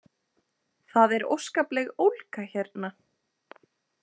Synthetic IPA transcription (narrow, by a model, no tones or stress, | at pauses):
θaðɛɾo̰wskaplɛɣowlkaçɛɾt̪na